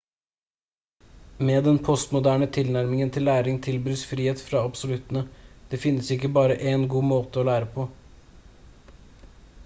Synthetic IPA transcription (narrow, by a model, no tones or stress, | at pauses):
meːd̪ɛnpʰɔst̪mʊd̪æːɳət̪ʰɪlnæɾmɪŋənt̪ʰɪlːæːɾɪŋt̪ʰɪlbyːsfɾiːheːt̪fɾɑɑbsʊlʉt̪ənəd̪̥eːfɪnːəsɪkːəbɑːɾəʔeːnɡuːmoːt̪əoːlæːɾəpʰɔ